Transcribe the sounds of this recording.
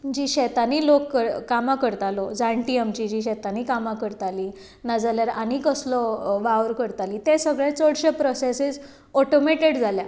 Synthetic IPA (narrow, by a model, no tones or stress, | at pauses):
d͡ʑiːɕɛt̪aniːlokːəɾːamakəɾt̪alɔd͡zaɳʈiəmt͡ɕid͡ʑiːɕ̬ɛt̪anikamakəɾt̪aliː | nad͡zaljaɾanikəslɔʋawɾkəɾt̪aliːt̪esəɡɭẽt͡səɽɕepɾɔsesed͡z | ɔʈomeʈeɽd͡zʱalja